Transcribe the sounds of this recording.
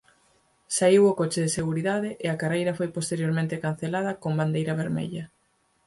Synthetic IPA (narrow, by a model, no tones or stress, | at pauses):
saiwʊkot͡ʃɪðɪseɣuɾiðaðɪʔɪɐkarejɾɐfojpost̪eɾjoɾmẽnt̪ɪkan̟θelað̞ɐkomband̪ejɾɐβ̞eɾmḛʎɐ